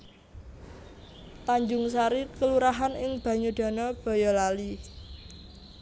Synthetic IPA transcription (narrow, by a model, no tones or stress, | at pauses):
t̪aɲd͡ʒʊŋs̬aɾikəluɾaɦanɪŋb̥a̤ɲuɖ̥a̤nɔb̥ɔ̤jɔlali